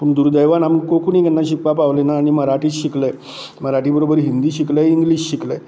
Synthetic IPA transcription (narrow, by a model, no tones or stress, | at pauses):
puɳd̪uɾd̪əjʋanaməɳkokunikənːaɕ̬ikʋapaʋlenaːɽ̃iməɾaʈiːt͡sɕiklə | məɾaʈiːbəɾobəɾɦind̪iːɕikləiŋɡliːɕɕikləj